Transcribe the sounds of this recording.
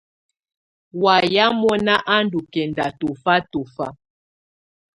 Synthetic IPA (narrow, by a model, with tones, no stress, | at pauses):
wa˨ja˦mɔ˦na˦ʔa˦ndu˨kɛ˨nda˨to˨fa˦to˨fa˦